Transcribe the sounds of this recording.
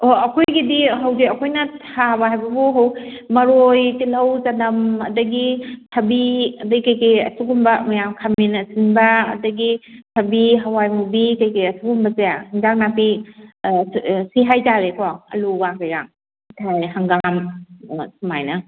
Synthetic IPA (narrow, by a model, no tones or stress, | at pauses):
oɐkʰojɡidiɦawdiɐkʰojnɐtʰabɐɦajbɐbuɦaw | mɐɾojtilɐwzanɐmɐdɐɡitʰɐbiɐdɐɡikɐjkɐjɐ̰suɡumbɐmɐjamkʰaminɐsinbɐ̰ːdɐɡitʰɐbiɦawajmubikɐjkejɐsuɡumbɐzeahiŋdak̚napi | siɦajtaɾekʰoɐ̰luɡaŋkajɾa̰ŋ | tʰajɦaŋɡam | sumajnɐ